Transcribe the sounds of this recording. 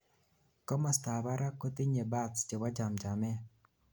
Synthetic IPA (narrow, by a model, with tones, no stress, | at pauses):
kɔ˦ma˨sta˨ba˦ɾa˦ko˦t̪i˦ɲe˨ba˦td͡ʒe˨wa˦d͡ʒa˨md͡ʒa˨mɛ˦